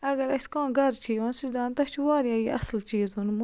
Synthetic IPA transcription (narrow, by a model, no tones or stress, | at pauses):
ɐɡɐɾɐskãːɡɐɾt͡ʃʰiːʋãːnsiʃd̪aːnt̪ɐt͡ʃʰuʋaːɾjaːjiɐ̰slt͡ʃiːzɦunmu